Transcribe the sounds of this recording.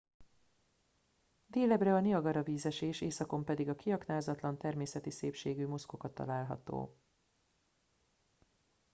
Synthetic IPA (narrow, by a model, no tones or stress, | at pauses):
d̪eːlɛbrɛɒniɒɡɒɾɒviːzɛʃeːʃeːsɒko̞mpɛd̪iɡɒkiɒknaːzɒt̪lɒnt̪ɛrmeːsɛt̪iseːpʃeːɡyːmo̞sko̞kɒt̪ːɒ̰laːlɦɒ̰t̪o̰ː